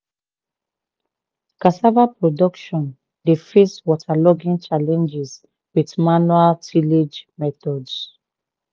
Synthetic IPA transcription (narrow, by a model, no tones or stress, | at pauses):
kasavapɹɔdɔkʃɔ̃n | defeswɔtʰalɔɡĩnt͡ʃalɛ̃nd͡ʒɛs | widmanualtʰiled͡ʒmɛtɔds